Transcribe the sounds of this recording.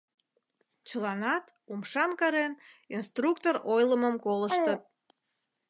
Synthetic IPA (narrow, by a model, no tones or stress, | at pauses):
t͡ɕəlɑnɑt̪ | umʃɑmkɑɾeninst̪rukt̪orojləməmkoləʃʃt̪ət̪̚